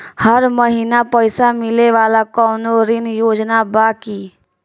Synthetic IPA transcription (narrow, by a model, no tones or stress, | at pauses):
həɾməɦiːnapəɪsamɪleʋaːlakɔːnoːɾɪnjoːd͡ʒnabaːkiː